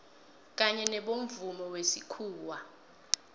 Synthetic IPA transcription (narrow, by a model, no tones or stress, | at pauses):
k̬ʼaɲɛnɛɓoɱ̩vumɔwesikʰuːwa